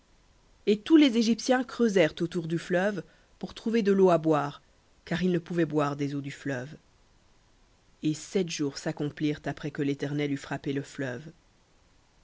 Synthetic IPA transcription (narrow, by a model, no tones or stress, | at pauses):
et̪ulezeʒipsjɛ̃kχøzɛʁt̪ot̪uʁd̪yflœv | puʁt̪χuved̪əloabwaːʁ | kaʁilnəpuvɛbwaʁd̪ezod̪yflœv | esɛt̪ʒuʁsakɔ̃pliʁt̪apχɛkəlet̪ɛʁnɛlyfχapeləflœv